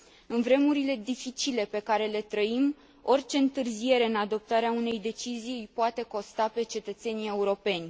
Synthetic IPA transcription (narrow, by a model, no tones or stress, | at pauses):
ɨnvɾe̞muɾile̞d̪ifit͡ʃile̞pe̞kaɾe̞le̞t̪ɾəim | o̞rʲt͡ʃe̞ɨnt̪ɨrzije̞ɾe̞ɨnad̪o̞p̚t̪aɾeaune̞jd̪e̞t͡ʃizijɨjpoat̪e̞ko̞st̪ape̞t͡ʃe̞t̪ət̪se̞nʲie̞uɾo̞pe̞nʲ